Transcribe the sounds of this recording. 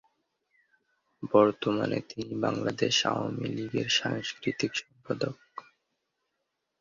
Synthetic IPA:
bɔɾt̪oma̰nḛt̪inibaŋlad̪eʃa̰wamiliɡeɾʃaŋskɾit̪ikʃɔmpad̪ok̚

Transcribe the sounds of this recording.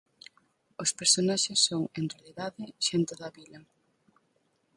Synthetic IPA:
ospeɾsonaʃesːoŋenrealiðaðɪʃent̪oðɐβilɐ

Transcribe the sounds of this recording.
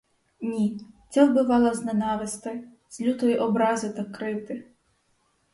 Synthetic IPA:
nʲit͡sʲawbɪʋɑlˠɐznenɑʋɪst̪ɐj | z̥lʲut̪ɔjiʔɔbɾɑzɪt̪ɐkɾɪt̪ɪ

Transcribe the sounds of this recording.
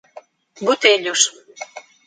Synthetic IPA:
but̪elʲuʃ

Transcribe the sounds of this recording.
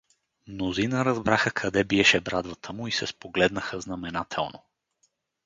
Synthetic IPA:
mnozinəɾɐzbɾaxəkʰɐd̪ɛbiɛʃɛbɾad̪vət̪ʰəmʊisɛspoɡlɛd̪nəxəznɐmɛnat̪ʰɛ̰lˠno̰

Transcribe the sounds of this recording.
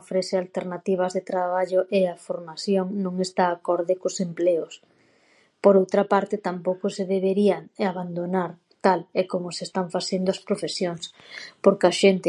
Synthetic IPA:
ofɾeθɪalt̪eɾnat̪iβ̞ɐzðet̪ɾaβaʎʊʔeafoɾmaθjoŋnõŋest̪aːkɔɾðɪkʊsempleʊs | poɾowt̪ɾapaɾt̪ɪt̪ampowkʊseðeβeɾiaŋaβand̪onaɾ | t̪alekomʊsest̪aɱfaθend̪oɐspɾofesjoŋs | poɾkaʃent̪ɪ

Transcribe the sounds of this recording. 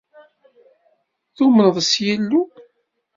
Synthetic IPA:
θumənðˤəsjilːu

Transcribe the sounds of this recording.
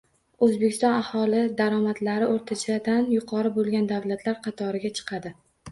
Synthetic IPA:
ɵzbekʲʰɪst̪ɒnahɒlɪd̪aɾɒmat̪laɾɪʔoɾt̪ʰat͡ʃʰad̪anjʊqʰɒɾɪbolˠɡʲand̪awlat̪ʰlaɾqʰɑt̪ʰɒɾɪɡʲat͡ʃʰɨ̥qʰɑd̪ɪ

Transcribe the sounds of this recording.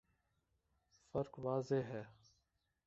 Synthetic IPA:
fəɾkʋaːzeɦɛː

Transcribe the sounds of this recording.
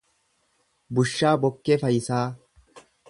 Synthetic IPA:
bʊʃːaːbɔkːɛfɐjɪsaː

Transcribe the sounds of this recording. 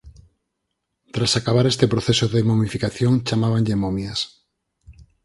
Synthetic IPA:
t̪ɾasakaβ̞aɾest̪epɾoθesoðemomifikaθjoŋt͡ʃamaβ̞aŋʎemomjɐs

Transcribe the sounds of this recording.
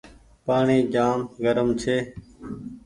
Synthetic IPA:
paːɳiːd͡ʒaːmɡəɾəmt͡ʃʰeː

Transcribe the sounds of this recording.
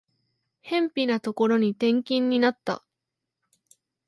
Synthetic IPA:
hẽ̞mpʲinat̪o̞ko̞ɾo̞ɲ̟it̪ẽ̞ŋkʲĩɲ̟ːinat̪ːa̰

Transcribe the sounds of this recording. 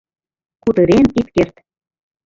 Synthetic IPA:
kud̪ɤ̆ɾenit̪kert̪

